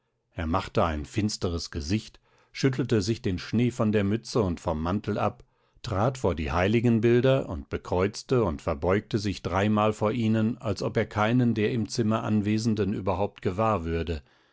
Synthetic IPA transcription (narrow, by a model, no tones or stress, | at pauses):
ʔeːɐmaχtəa̰ɪnfɪnstəʁəsɡ̥əzɪçt | ʃʏt̬l̩təzɪçd̥eːnʃneːfɔndeːɐmʏt͡səʊntfɔmːantl̩ʔa̰p | tʁ̥aːtfoːɐdḭːhaɪlɪɡn̩bɪldɐʔʊ̰ntb̥əkʁ̥ɔʏt͡stəʊntfɛɐbɔʏk̚təzɪçd̥ʁaɪmaːlfoːɐʔiːnənalsʔɔpeːɐkʰaɪnəndeːɐɪmt͡sɪmɐʔa̰nveːzn̩dəny̰ːbɐɦaʊp̚tɡ̥əvaːɐvʏɐdə